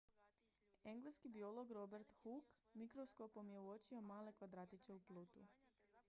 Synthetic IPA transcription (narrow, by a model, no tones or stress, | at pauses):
e̞ŋɡleskibio̞lˠo̞ɡɾo̞beɾt̪xukmikɾoskopo̞mje̞uot͡ʃiomaːle̞kʋad̪ɾaːt̪it͡ʃ̪e̞uplˠuːt̪ṵ